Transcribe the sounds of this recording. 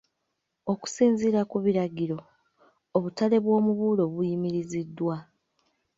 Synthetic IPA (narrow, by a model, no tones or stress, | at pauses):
o̞ku̥siːnziɾakuβiɾaɡiɾo̞ː | βutale̞βwo̞ːmuβuːlo̞βujimiɾizidːwa